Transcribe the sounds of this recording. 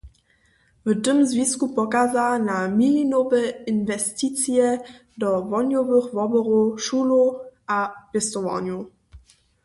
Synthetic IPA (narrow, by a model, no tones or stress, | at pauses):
vətəmzvʲiskupɔkazanamilinovɛinvɛstit̪t͡sjɛ | dɔvɔnʲjɔvəxvɔbəɾuʃuloʔapɛst̪ɔva̰nu